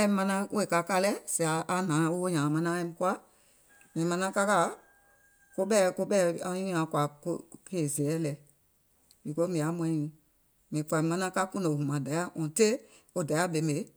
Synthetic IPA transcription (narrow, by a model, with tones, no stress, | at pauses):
ɛ̃˦mã˧nã˦e˦˨ka˨ka˧˦lɛ˦si˨a˨ʔa˦nãː˨˦o˦wo˦ɲãː˨mã˧nã˦ɛ̃˦mĩ˦ku˦a˦ | mĩ˨mã˧nã˦ka˦ka˦ | ko˦ɓɛː˦˨ko˦ɓɛː˦ã˧˦ĩ˦ã˨˦kwa˨ko˦pe˦˨zɛː˨˦lɛ˨ | i˨ko˦mĩ˨a˨˦mɛ̃˧˦ĩ˨ | mĩ˨fa˨˧mã˧nã˦ka˦kũ˦nõ˨hũ˨mã˨da˨˦ja˦ŋɔ̃˨te˦ | o˦da˨ja˦be˨˦me˨˦